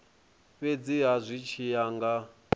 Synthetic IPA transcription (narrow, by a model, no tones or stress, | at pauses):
βed͡ziɦazʷit͡ʃʰijaŋɡa